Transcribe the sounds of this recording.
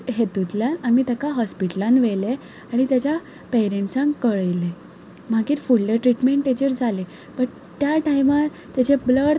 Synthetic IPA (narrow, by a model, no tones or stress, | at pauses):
ɦet̪ut̪ljanamit̪akaɦɔspiʈəlãnʋɛle | aɽ̃it̪jat͡ɕja | peɾẽɳʈsãŋkəɭəjle | m̤aɡiːɾfuɭːeʈɾiʈmeɳʈed͡ʑəɾd͡zʱale | pəɽ | t̪jaʈajmaɾ | t̪jat͡ɕebləɽ